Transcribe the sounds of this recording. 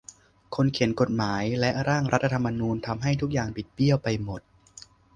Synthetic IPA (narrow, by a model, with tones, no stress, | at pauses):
kʰo˧nkʰi˩˦ənko˨˩t̪̚maː˩˦jlɛ˦˥ʔɾaː˥˩ŋɾa˦˥t̪ʰːa˧t̪ʰa˧mːa˧nuː˧nt̪ʰa˧mɦa˥˩jt̪ʰu˦˥k̚jaː˨˩ŋpi˨˩t̪̚bi˥˩əwpa˧jmo˨˩t̪̚